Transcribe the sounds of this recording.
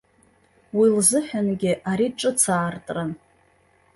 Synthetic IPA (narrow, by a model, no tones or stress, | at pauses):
wilzɨħʷᶣanɡʲɪʔaɾiʈ͡ʂʼɨt͡sʰaːrtʼran